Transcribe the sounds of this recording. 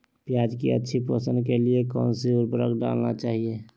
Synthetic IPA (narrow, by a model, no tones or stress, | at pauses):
pjaːd͡ʒkḭə̰tːʃʰipəsənkeliekɔ̰ːnsiʊɾpɾəkɖa̰ːlnat͡ʃaːɦie